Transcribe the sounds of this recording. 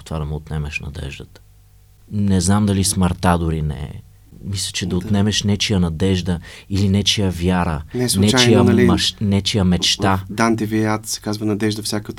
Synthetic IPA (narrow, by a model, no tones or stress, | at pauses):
t̪vad̪ɐmɛot̪nɛmɛʃnɐ̰d̪ɛ̰ʒd̪ət̪ə̥ | nɛznamd̪ɐlismɐɾt̪ad̪ʊɾinɛ̰ | mislʲə̥t͡ʃɛd̪ɐot̪nɛmɛʃnɛt͡ʃijənɐd̪ɛʒd̪əilinɛt͡ʃijəvʲjaɾənɛsɛt͡ʃt͡ʃijəlmɐnɛt͡ʃijəmɛt͡ʃt̪ad̪ant̪ɛviat̪sɛ̥kazvɐnɐd̪ɛʒd̪ɐfsʲjakət̪